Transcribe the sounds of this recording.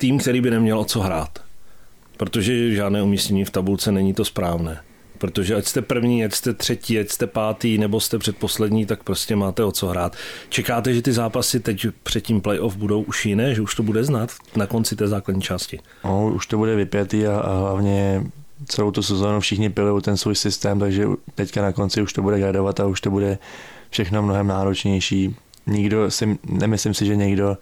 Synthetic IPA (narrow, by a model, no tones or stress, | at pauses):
t̪iːmk̚t̪ɛɾiːbɪnɛmɲɛlʔo̞t͡so̞ɦɾaːt̪ | pɾo̞t̪o̞ʒɛʒaːdnɛːumiːscɛɲiːft̪abult͡sɛnɛɲit̪o̞spɾaːvnɛː | pɾo̞t̪oʒɛacst̪ɛpr̩vɲiːacst̪ɛt̪r̥ɛciːacst̪ɛpaːt̪iːnɛbo̞st̪ɛpr̥ɛt̪̚po̞slɛdɲiːt̪ak̚pɾoscɛmaːt̪ɛo̞t͡so̞ɦɾaːt̪t͡ʃɛkaːt̪ɛʒɛt̪ɪzaːpasɪt̪ɛcpr̝̥ɛt̪cimplɛjʔofbudo̞wʔuʃjɪnɛːʒɛuʃt̪o̞budɛznaːt̪ | nako̞nt͡sɪt̪ɛːzaːkladɲiːt͡ʃaːscɪ | ouʃt̪obudɛvɪpjat̪iːaa̰ɦlavɲɛt͡sɛlo̞wt̪usɛzoːnufʃɪxɲɪpɪlujowt̪ɛnsvuːjsɪst̪ɛːmt̪aɡʒɛ̰t̪ɛckanako̞nt͡sɪuʃt̪obudɛɡɾadovat̪auʃt̪obudɛ | fʃɛxnomnoɦɛmnaːɾot͡ʃɲɛjʃiː | ɲɪɡdo̞sɪnɛmɪslɪmsɪʒɛɲɛɡdo̞